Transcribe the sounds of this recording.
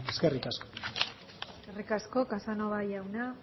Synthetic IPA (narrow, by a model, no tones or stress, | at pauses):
eskerikasko | skerikasko̞kasanoβajawna